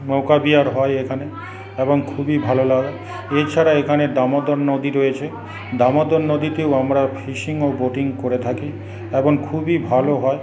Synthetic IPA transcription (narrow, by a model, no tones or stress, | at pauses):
mɔwkabiaɾɦɔeekʰane | eboŋkʰubibʱalolaɡ | et͡ɕʰaɾaekʰaned̪amod̪oɾnod̪iɾojet͡ɕʰe | d̪amod̪oɾnod̪it̪eoamɾafʰiʃiŋoboʈiŋkoɾet̪ʰaki | eboŋkʰubibʱaloɦɔe